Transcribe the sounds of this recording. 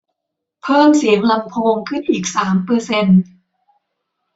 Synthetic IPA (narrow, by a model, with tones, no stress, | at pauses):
pʰɤː˥˩msi˩˦əŋla˧mpʰoː˧ŋkʰɯ˥˩nʔiː˨˩k̚saː˩˦mpɤː˧se˧n